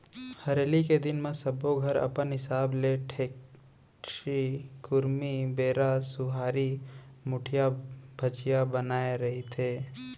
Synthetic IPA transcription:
hɐɾeːliked̪ɪnmẽsɐboɡʱɐɾɐ̰pənɦɪsaːbleʈʰeːk | ikʊɾmibeːɾasʊɦaːɾi | mʊʈʰijabʱɐt͡ʃijabənaːeɾɐɦit̪ʰeː

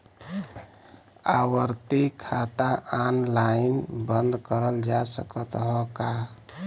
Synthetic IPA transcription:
a̰wəɾt̪ikʰat̪aʔanlainbənd̪kəɾəld͡ʒasəkət̪ɦɔka

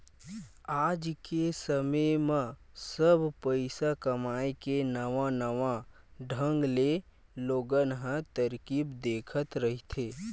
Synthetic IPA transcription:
aːd͡ʒkesəməmə̃səbʱpəɪsakɐmaːekenəʋãnəʋã | ɖʱə̃ŋɡle | loːɡənɦə̃t̪əɾkibd̪eːkʰət̪ɾɐɦit̪ʰeː

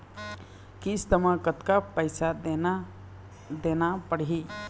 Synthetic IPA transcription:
kist̪əmãkət̪kapəɪsad̪en | d̪eːnapəɽɦi

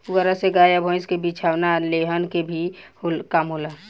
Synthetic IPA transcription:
ʊɡəɾaseɡaːjabʱɔ̃ɪ̃skebit͡ʃʰaːwnaleɦənkebʱihokamɦola

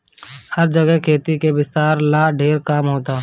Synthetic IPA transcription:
hɐɾd͡ʒəɡəɦkʰeːt̪ikebɪst̪aːɾlaːɖʱeːɾkaːmɦoːt̪aː

